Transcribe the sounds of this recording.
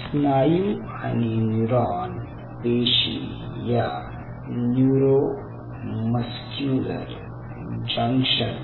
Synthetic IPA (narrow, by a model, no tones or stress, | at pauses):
snaːju | aninuɾaːn | peːʃḭ | ja | njuɾo | mɐskjuːlɐ̰ɾ | d͡ʒɐ̃ŋkʃə̃n